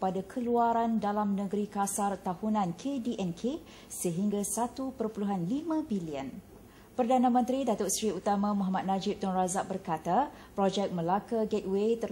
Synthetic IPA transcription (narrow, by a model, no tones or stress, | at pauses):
padakʰəluaɾandalamnəɡəɾikasart̪ahunãnkʰediʔɛnkʰe | səɦiŋɡasat̪upərpuluɦanlimãbiliən | pərdanãmə̃nt̪ɾidat̪oʔsɾiut̪amãmɔɦamat̪̚nad͡ʒɪp̚t̪ɔnrazaʔ̚bərkat̪a | pɾɔd͡ʒɛk̚məlakaɡɛt̪̚wet̪ə